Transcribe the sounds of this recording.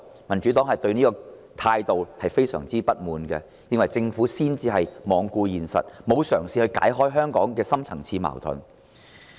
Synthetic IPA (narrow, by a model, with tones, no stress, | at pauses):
mɐ˨˩nt͡ʃy˨˥t̪ɔː˨˥ŋhɐ˨jt̪ɵ˧ɥniː˥kɔː˧t̪ʰaː˧jt̪o˨whɐ˨jfe˥jsœ̰ː˨˩ŋt͡siː˥pɐ˥t̚muː˨nkɛ˧ | jɪ˥nwɐ˨jt͡sɪ˧ŋfuː˨˥siː˥nt͡siː˧ɦɐ˨jmɔː˨˧ŋkuː˧jiː˨nsɐ̰˨t̚mo˨˧wsœː˨˩ŋsiː˨hɵ˧ɥka̰ː˨˥jɦɔː˥jɦœː˥ŋkɔ̰ː˨˥ŋkɛː˧sɐ˥mt͡sʰɐ˨˩ŋt͡sʰiː˧ma̰ː˨˩wt̪ʰʊ̰˨˩n